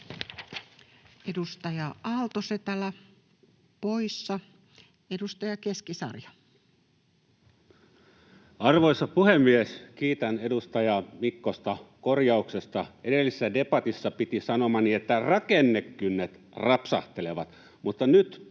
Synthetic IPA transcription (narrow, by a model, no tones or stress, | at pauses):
edust̪ɑjɑʔɑlt̪oset̪ælæ | poisːɑ | edust̪ɑjɑkeskisɑ̰rjɑ | ɑrʋoisɑpuhemːieskiːt̪ænedust̪ɑjɑmikːost̪ɑkorjɑuksest̪ɑʔedelːisesːæde̞pɑt̪isːɑpit̪isɑnomɑniet̪ːærɑkenːekːynːet̪ | rɑpsɑht̪eleʋɑt̪ | mut̪ːɑnyt̪